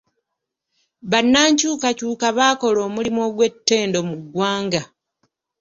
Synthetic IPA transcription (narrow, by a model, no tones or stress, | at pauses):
βanːaːɲcuːkacuːkaβaːko̞lo̞ːmulimo̞ːɡwe̞tːe̞ːndo̞muɡwaːŋɡa